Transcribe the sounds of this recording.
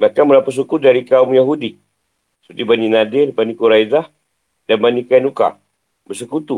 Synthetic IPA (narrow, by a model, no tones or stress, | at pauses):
makamənapas̬ukudaɾikaumjaɦudi | sə̥pərt̪ibaninadɪrbanikuɾajzah | danbanikainuka̰ | bərsəkut̪u